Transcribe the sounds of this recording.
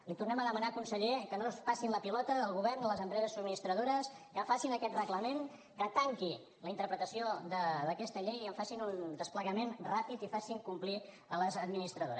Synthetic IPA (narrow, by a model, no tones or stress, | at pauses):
lit̪urnɛməðəmənakunsəʎekənospasinləpilɔt̪əəlˠɣuβɛrnd̪ələzəmpɾɛzəsuminist̪ɾəðoɾəskəfasinəkɛt̪rəɣləmen | kət̪aŋki | ləint̪əɾpɾət̪əsiod̪əðəkɛst̪əʎejiəɱfasinund̪əspləɣəmenrapit̪ifasiŋkumpli | ələzəd̪minist̪ɾəðo̰ɾə